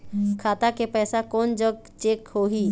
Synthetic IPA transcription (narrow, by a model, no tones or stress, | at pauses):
kʰaːt̪akepɛːsakɔːnd͡ʒəɡ̚ | t͡ʃeːkhoːɦiː